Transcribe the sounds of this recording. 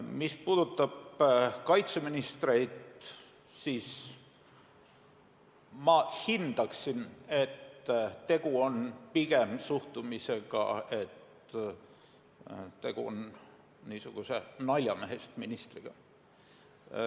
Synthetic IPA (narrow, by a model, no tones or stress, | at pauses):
mispuːd̪̥ut̪ˑːɑb̥kɑjt̪se̞minist̪re̞jd̪ | siːs | mɑhind̪̥ɑksine̞t̪ːt̪e̞ɡ̥uo̞npiɡ̥emsuht̪umise̞ɡ̥ɑ̰e̞t̪ | t̪e̞ɡ̥ṵo̰n | niːsuɡ̥usenɑlʲjɑmeɦest̪minist̪riɡ̥ɑ̰